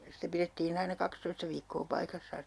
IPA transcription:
sitæ piretːiːn ɑinɑ kɑkstoistɑ ʋiːkːoː pɑikɑsːɑːn̞

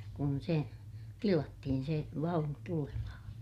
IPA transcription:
kun se tilɑtːihin se ʋɑunu tulemɑhɑ̃ː

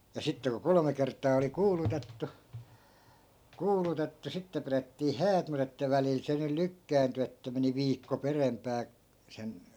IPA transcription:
jɑ sitːe ku kolŏme kertˑɑː oli kuːlutetːu kuːlutetːu sitːe piretːiː hæːt mut etːæ ʋælil se nyl lykːæːnty etːæ meni ʋiːkːo perempˑæː sen

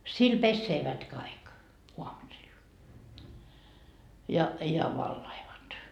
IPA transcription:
sil pesːeːʋæt kɑik uɑmusil jɑ jɑ ʋɑlːɑiʋɑt

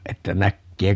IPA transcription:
etːæ nækːeː

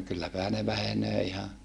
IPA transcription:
kylːæpæhæ ne ʋæhenøː ihɑ

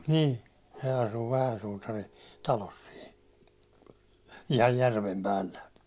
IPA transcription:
ni se ɑsu ʋæhæn sutɑrin tɑlos sin ihɑj jærʋem pælːæ

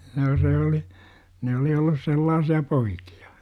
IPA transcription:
noː se oli ne oli olːus selːɑːsiɑ poiki̥ɑ̥

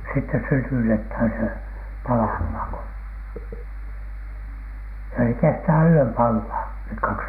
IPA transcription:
sitːe sytytethæn se pɑlɑhmɑˑŋ ko jɑ se kestæː yøm pɑlːɑː nek kɑks

